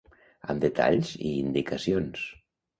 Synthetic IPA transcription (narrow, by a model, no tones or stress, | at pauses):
ə̰md̪et̪ʰa̰ʎziːnd̪ikasions